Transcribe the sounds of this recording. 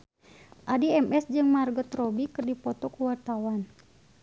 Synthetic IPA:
ʔadiɛmʔɛsd͡ʒɨŋmarɡɔt̪rɔbikɨrdipɔt̪ɔkuwart̪awan

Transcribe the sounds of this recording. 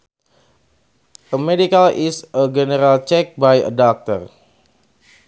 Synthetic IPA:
ʔəmedikalisəɡɛnəɾalt͡ʃɛk̚bajə̰dɔk̚t̪ər

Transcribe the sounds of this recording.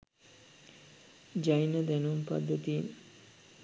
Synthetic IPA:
d͡ʒajnəd̪ɛnumpa̰d̪ːət̪iːn

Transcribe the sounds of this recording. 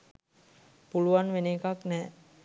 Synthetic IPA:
puluʋanʋenekaknɛː

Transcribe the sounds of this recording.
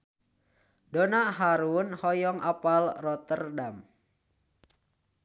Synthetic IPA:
donaɦaɾunhɔjɔŋʔapalrɔt̪ərdam

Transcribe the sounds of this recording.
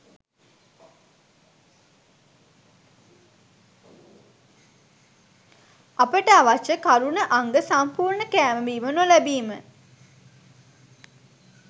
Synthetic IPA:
apəʈəaʋat͡ʃəkaɾunəʔaŋɡəsampuːɾɳəkæːməbiːmənolæbiːmə

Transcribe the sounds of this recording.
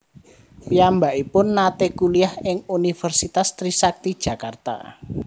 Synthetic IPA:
piambaʔipʊnːat̪ekuliahɪŋunifərsit̪ast̪ɾisak̚t̪id̥ʒ̥ä̤kart̪a̰

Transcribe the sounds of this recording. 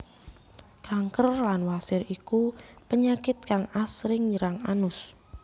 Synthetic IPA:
kaŋkərlanwasɪɾikupəɲakɪt̪̚kaŋasɾɪŋiɾaŋanʊs

